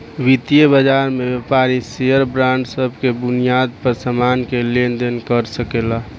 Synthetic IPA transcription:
ʋit̪ijebəd͡ʒaɾmebepaɾiseəɾbɾãɳɖsəbʱkebʊnijad̪̚pəɾsəmaːnkelend̪ənkəɾsəkela

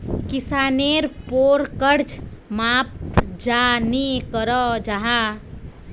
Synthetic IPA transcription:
kisaːneɾpoɾkəɾt͡ʃmaːp̚d͡ʒanikəɾəd͡ʒaɦa

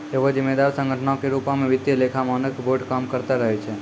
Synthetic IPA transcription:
eʋod͡ʒɪmːed̪aɾsə̃ŋɡʱəʈʰnaokeɾupamẽʋɪd̪jəlekʰamanəkboɖkamkəɾt̪aɾəɦet͡ʃʰe

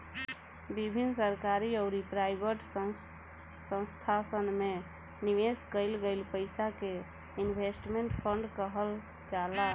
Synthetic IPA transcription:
bibʱinsəɾkaɾiəʊɾipɾajbʱəʈ | sə̃st̪ʰasənme | niʋeskəɪlɡəɪlpəɪsake | inbʱesʈmeɳʈpʰəɳɖkəɦəl | d͡ʒala

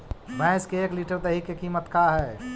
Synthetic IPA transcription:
bãɪskeeːkliːʈəɾd̪eɦikːekiːmət̪kaɦɛː

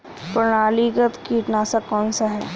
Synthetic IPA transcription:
pɾɳaːliɡət̪kiːʈnaːsakɔːnsaɦɛ̰ː

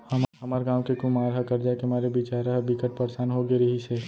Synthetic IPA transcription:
hɐmɦɐmaːɾɡãːwkekʊmaːɾɦakɐɾd͡ʒaːekeɦɐmaːɾebit͡ʃaːɾaɦɛbikəʈ̚pɐɾsaːnɦoɡeɾɐɦise

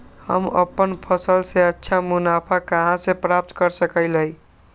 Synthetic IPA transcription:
hə̰mə̰pːənpʰəsəlseətːʃʰamunapʰakəɦãsepɾap̚t̪kəɾsəkəɪləj

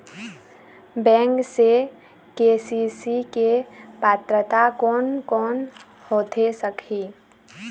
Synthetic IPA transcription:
bɛ̃ːŋkse | kesisikepaːt̪ɾət̪akɔːnkɔːn | hoːt̪ʰesəkʰi

